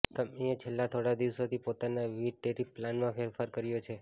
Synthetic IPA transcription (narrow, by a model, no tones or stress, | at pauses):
t̪əmjat͡ʃʰelːat̪ʰoɽad̪iʋsot̪ʰipot̪anaʋiʈeɾipːlanmãfeɾfaɾkəɾjot͡ʃʰe